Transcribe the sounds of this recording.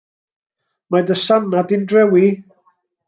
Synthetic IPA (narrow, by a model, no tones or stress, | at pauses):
madəsanadɪndrɛwi